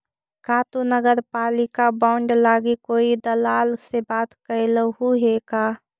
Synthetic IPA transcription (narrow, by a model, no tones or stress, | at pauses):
kaːt̪unəɡəɾpaːlɪkabaːʊɳɖlaːɡikoːid̪əlaːlsebaːt̪kəlɦuɦekaː